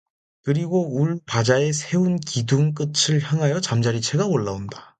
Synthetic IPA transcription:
kɯɾiɡouɭpad͡ʑae̞sʰe̞unkiduŋk̬͈ɯt͡ɕʰɯɭçjaŋɦajʌt͡ɕamd͡ʑaɾit͡ɕʰe̞ɡaoɭːaonda

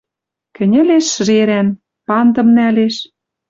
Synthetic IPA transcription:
kɘ̆nʲɘ̆leʃ̆ʒeɾæn | pɑnd̪ɤ̆mnæleʃ

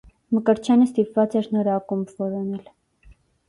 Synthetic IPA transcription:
məkəɾt͡ʃʰjɑnəst̪ipvɑt͡sɛɾnɔɾɑkumbvɔɾɔnɛl

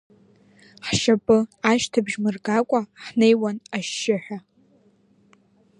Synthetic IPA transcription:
ħʃapʼɨaʃtʰabʒmɨrɡakʷʼaħnejwanaʃːɪħᶣa

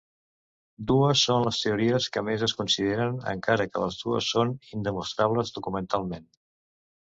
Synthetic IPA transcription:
d̪uəsːonləst̪euɾiəskəmezəskunsið̞eɾənə̰ŋkaɾəkə̰ləzðuə̰sːonind̪əmust̪ɾaβləzðukumənt̪alˠmen

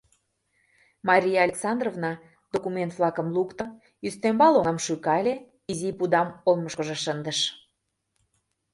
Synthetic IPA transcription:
mɑɾʲijɑɑlʲeksɑnd̪rovnɑ | d̪̥okument̪vlˠɑkə̆mlukt̪ə | yst̪embɑloəmʃykɑlʲe | izipud̪ɑmolˠməʃkə̆ʒĕʃənd̪əʃ

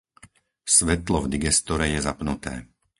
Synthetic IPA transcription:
sʋɛt̪lɔvd̪iɡɛst̪ɔɾɛjɛzapnut̪ɛ̰ː

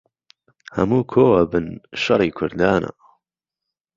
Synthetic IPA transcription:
hɐ̰muːkʰoːwɐbɨnʃɐriːkʰʊɾd̪aːnʔa̰

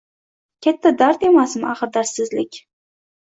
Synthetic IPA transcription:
kʲʰat̪ʰːad̪aɾt̪e̞masmaʁɨɾd̪aɾt̪sɪzlɪkʲ

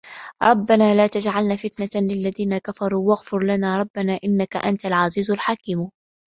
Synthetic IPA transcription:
ɾˤʔɑbːanaːlaːt̪ad͡ʒʕalnaːfɪt̪nalɪlːaðiːnakafɑɾˤuːwaɣfʊɾlanaːɾˤɑbːanaːʔɪnːaka̰ʔant̪alʕaziːzalħakiːm

